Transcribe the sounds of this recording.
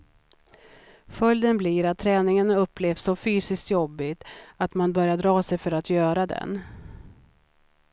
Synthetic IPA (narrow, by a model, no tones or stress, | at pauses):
fœld̪ənbliɾat̪ʰːɾɛːnɪŋənɵpʰːleːvsːɔfyːsɪskt̪jɔbːɪɡt̪at̪manbœɾjaɖɾɑːsɛjfœɾat̪ʰjœːɾad̪ɛ̰n